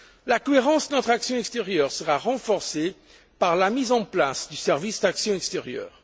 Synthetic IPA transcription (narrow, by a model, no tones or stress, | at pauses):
lakɔeʁɑ̃sd̪ənɔt̪χaksjɔ̃ɛkst̪eʁjœʁsəʁaʁɑ̃fɔʁse | paʁlamizɑ̃plasd̪ysɛʁvisd̪aksjɔ̃ɛkst̪eʁjœ̰ːʁ